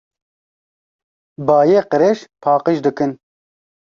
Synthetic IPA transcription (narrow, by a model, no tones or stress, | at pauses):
bɑːjeːqəɾeʃpʰɑːqiʃd̪ɨkɨn